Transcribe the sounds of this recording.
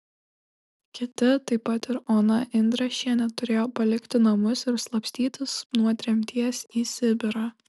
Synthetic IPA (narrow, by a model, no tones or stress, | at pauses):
kʲɪt̪ʲɪt̪ɐɪpːɐt̪ɪɾoːnɐʔɪnʲd̪ɾɐʃʲiɛnʲɛt̪ʊɾʲeːjoːpɐlʲɪkʲt̪ʲɪnɐmʊsɪɾslˠɐpʲsʲt̪ʲiːt̪ʲɪsnuɔt̪ʲɾʲɛmʲt̪ʲiɛsʲiːsʲɪbʲɪɾɑ